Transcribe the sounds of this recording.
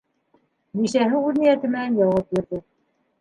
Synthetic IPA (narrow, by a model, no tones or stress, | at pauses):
niʃæɦɘuðnijæt̪ɘ̆mæænjɑwɑp̚jiɾðɘ